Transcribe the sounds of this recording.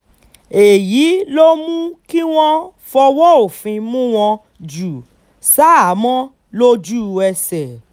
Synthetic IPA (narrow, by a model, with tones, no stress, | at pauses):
e˨ji˨˦lo˦mũ˦ki˦w̃ɔ̃˦fɔ˧wɔ˦o˨fĩ˧mũ˦w̃ɔ̃˧ | d͡ʒu˨ | sa˦a˨˦mɔ̃˦ | lo˦d͡ʒu˦˨ɛ˧sɛ˨